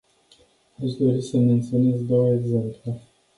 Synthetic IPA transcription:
aʃd̪o̞ɾisəme̞nt̪sione̞zd̪o̞wəeɡze̞mple

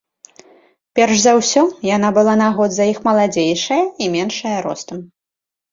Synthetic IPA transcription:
pʲɛrʂzawsʲɔjan̪abɨlˠanaɣɔd̪zɐixmɐlˠad͡zʲejʂɐjɐimʲɛnʂɐjɐɾɔ̰st̪ɐm

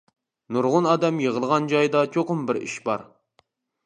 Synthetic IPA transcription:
nuɾʁʊnɑːd̪ɛmjeʁəlˠəʁɑnd͡ʒɑjd̪ɑt͡ʃʰoqʊmbɪɾḭʃbɑ̰ɾ

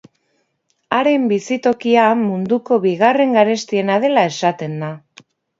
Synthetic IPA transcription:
aɾe̞mbisit̪o̞kiamund̪uko̞βiɣare̞ŋɡaɾe̞st̪ie̞nað̞e̞lae̞sat̪e̞nd̪a

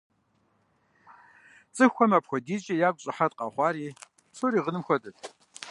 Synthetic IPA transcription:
t͡sʼɨxʷɔmapʰxʷɔdiːt͡ʃʼɐjaɡʷʼɕʼɐħat̚ʼqʼaχʷaːɾiː | psʰoɾiːʁənɨmxʷɔtʼɨtʰ

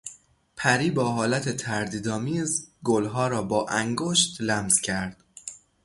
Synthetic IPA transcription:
pʰæɾiːbɒːɦɒːlæt̪ʰe̞t̪ʰæɾd̪iːd̪ɒːmiːzɡolɦɒːɾɒːbɒːʔæŋɡoːʃt̪læmz̥cʰæɾd̪̥

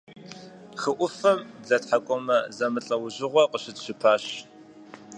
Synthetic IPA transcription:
χəʔʷʊfɐmɮɐtħakʷʼɔmɐzɐmɨɬʼɐwʊʑɪʁʷɔqʷʼəɕɪtɕɪpʰaːɕ

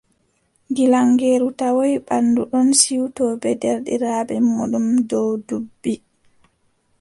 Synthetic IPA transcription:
ɡilaŋɡeːɾutawojɓanːduɗɔnsiwtɔbɛdɛɾɗiɾaːbɛmoɗumdɔwdubːi

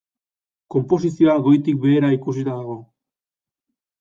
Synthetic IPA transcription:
ko̞mpo̞sisio̞aɣo̞jt̪ik̚be̞ːɾaikus̬it̪aðaɣ̞o̞

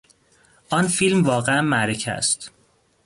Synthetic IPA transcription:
ʔɒnfilmvɒːɣeæmːæɾecʰæ̰st̪

